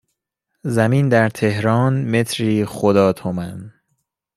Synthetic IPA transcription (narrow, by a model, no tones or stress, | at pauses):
zæmiːnd̪æɾt̪ʰehɾɒːnme̞t̪ʰɾiːχod̪ɒːt̪ʰomæn